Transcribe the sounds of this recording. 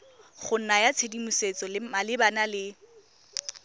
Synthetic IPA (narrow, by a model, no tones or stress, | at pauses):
χʊn̩najat͡sʰedimuset͡sɔlɪmalɪbanalɪ